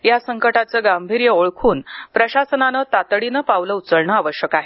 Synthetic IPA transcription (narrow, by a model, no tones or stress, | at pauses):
jasəŋkəʈat͡səɡambʱiɾjəoɭkʰuːnpɾəɕasənanət̪at̪ɽinəpaʋləut͡səɭɳaaʋəɕjəkaɦe